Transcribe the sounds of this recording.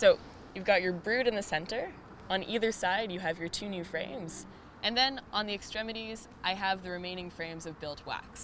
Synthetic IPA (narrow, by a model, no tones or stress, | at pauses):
soʊ | jʉvɡɑt͡ʃə˞bɹʉɾɨ̃nðɨsɛ̃ntə˞ | ə̃nʔiðə˞saɪdjɨːvjə˞tʰʉnʉfɹḛ̃ɪ̃mz̥ | ʔɨ̃nðɨ̃nʔə̃nðiɨkstɹ̥ɛmɨɾiz | ʔaɪəvðɨɹɨmẽɪ̃ñɪ̃ŋfɹẽɪ̃mzʌvbɪlˠt̚ʰwæ̰ks